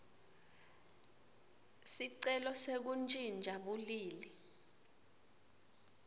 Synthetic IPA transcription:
siǀɛlɔsek̬unt͡ʃʼind͡ʒʱaɓuliːli

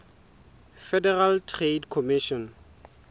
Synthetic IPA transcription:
fɛdɛraltʰredkʰɔmɪʃɔn

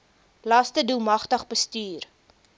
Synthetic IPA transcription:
laːstədulˠmɐχtəχbəstyːr

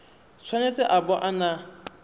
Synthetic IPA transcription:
t͡sʰwanet͡sʼɪʔabɔʔana

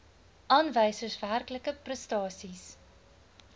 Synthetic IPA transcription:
ʔɑːnvəjsərsværkləkəprəstɑːsis

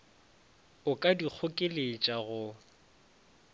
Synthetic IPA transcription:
ʊkʼadik͡xʰʊkʼɪlet͡ʃʼaɣʊ

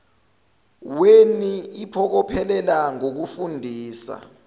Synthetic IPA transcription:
weniipʰɔk̬ɔpʰɛlɛlaŋok̬ufundʱiːsa̰

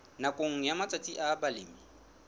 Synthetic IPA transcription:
nakʼoŋ̩jamat͡sʼat͡sʼiʔabalɪːmi

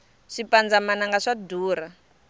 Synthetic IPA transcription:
ʂipand͡zamanaŋɡaʂaduːɾa

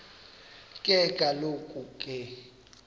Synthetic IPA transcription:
kʼɛɡ̥ʱalokʼukʼɛ

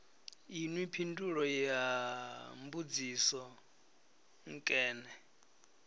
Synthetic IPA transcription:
inwipʰinduɺɔja | mbud͡zisɔ | ŋ̩kʼɛːnɛ

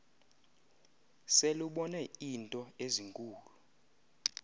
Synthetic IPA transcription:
seluɓɔnɛintʼɔeziŋkʼuːlu

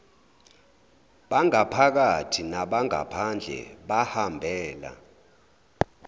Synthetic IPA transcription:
ɓaŋapʰak̬atʰinaɓaŋa̰pʰand͡ɮʱɛ̰ɓahambʱɛːla̰

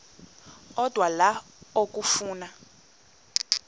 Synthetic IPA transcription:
ɔd̥ʱwala | ok̬ʼufuːna

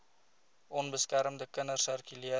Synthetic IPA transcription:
ʔɔnbəskæɾmdəkənərsərkyliə

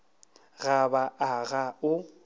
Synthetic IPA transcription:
ɣabaʔaɣaʊ

